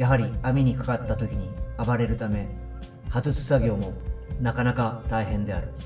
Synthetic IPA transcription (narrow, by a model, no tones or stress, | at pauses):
jaɦaɾʲiamʲiɲ̟ikḁkat̪ːat̪o̞kʲiɲ̟iabaɾe̞ɾɯ̟t̪ame̞ | hazɨsɨ̥saɡʲo̞ːmo̞nakanakat̪aiɦẽ̞nd̪e̞aɾɯ̟